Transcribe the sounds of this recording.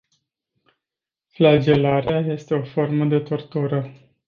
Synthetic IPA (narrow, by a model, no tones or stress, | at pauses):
flad͡ʒe̞laɾeaje̞st̪e̞o̞fo̞rməd̪e̞t̪o̞rt̪uɾə